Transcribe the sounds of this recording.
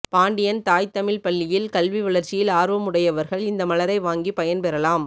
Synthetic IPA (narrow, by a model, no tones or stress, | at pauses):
paːɳɖɪjɐnt̪aːjt̪ɐmɪlpɐɭːɪjɪlkɐlʋiʋɐɭɐɾt͡ʃɪjɪlaːɾʋɐmʊɽɐjɐʋɐɾɣɐɭɪnd̪ɐmɐlɐɾɐɪʋaːŋɡipɐjɐnpɛɾɐlaːm